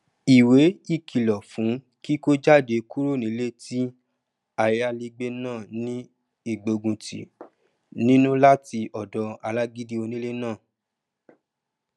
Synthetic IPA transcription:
i˨we˨˦i˦˨kʰi˨lɔ˨fũ˨˦ | ki˦ko˦d͡ʒa˦˨de˧ku˦ɾo˦˨nĩ˨˦le˦ti˦ | a˨ja˧li˧ɡ͡be˦nãː˦˨nĩ˦ | i˦˨ɡ͡bo˨ɡũ˨tḭ˨ | nĩ˦nũ˦la˦ti˧ʔɔ˨dɔ˧a˧la˦ɡi˦di˦o˧nĩ˦le˦nãː˦˨

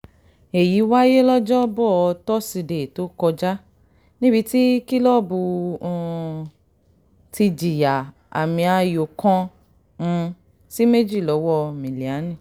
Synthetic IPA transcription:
e˨ji˨˦wa˦je˦lɔ˦d͡ʒɔ˦bɔ˦˨ɔ˧tɔ˦si˧de˨to˨˦kɔ˧d͡ʒa˦ | nĩ˦bi˧ti˦ki˦lɔ˦bũ˧˦˨ | ti˧d͡ʒi˨ja˨ | a̰˨mĩ˧a˧jo˨kɔ̃˧ | ũ˧ | si˦me˦d͡ʒi˦˨lɔ˨˦wɔ˦mĩ˨li˨a˨˦nĩ˦˨

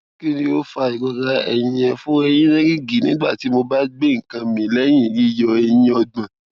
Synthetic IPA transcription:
ki˦nĩ˦o˦fa˧i˨ɡ͡bɔ˧ɡa˧ɛ̰˧jĩ˧ɛ̃˧fũ˦ɛ˧j̃ĩ˦nɛ̃˦ɡi˦ɡi˨nĩ˦ɡ͡ba˦˨ti˨˦mo˧ba˦ɡ͡be˦ŋ̩˨kã˧mĩ˨lɛ˦j̃ĩ˦˨li˦jɔ˧ɛ˧jĩ˦ɔ˧dã˨

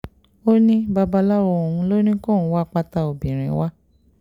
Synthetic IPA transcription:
o˦nĩ˦ba˧ba˧la˦ɾɔ˧o˨ũ˧lo˦nĩ˦kɔ̃˦˨˧wa˦k͡pa˧ta˧o˨bĩ˨ɾ̃ĩ˨˦wa˦

